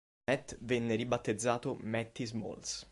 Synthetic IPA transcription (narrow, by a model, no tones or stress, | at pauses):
ɛt̪ːvɛnːeɾibat̪ːed̪zːaːt̪omɛt̪ːizmo̰ls